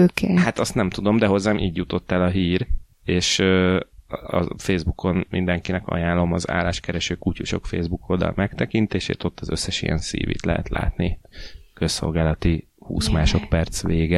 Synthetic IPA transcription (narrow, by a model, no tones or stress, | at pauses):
oːkʰeːhat̪ɒst̪nɛmt̪ud̪o̞md̪ɛɦo̞zːaːmʔiːɟjut̪o̞t̪ːɛlɒɦiːr | eːʃø | ɒ̰feːzbukʰo̞nmind̪ɛŋkinɛkɒ̰jaːlːo̞mɒza̰ːlːaːʃkɛɾɛʃøːkucuʃo̞̰kfḛːzbuko̞ld̪ɒ̰lmɛkt̪ɛkint̪eːʃḛːt̪o̞t̪ːɒzø̞sːɛʃijɛ̰nsḭːvḭt̪lɛɦɛ̰t̪lʔa̰ːt̪nikø̞sːo̞̰lɡaːlɒt̪i | hṵːsmaːʃo̞t̪pɛrt̪sʋeːɡɛ